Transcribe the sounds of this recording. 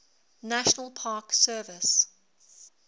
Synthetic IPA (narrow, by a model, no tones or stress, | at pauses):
naʃənəlˠpʰɑːˑksɜːvɪs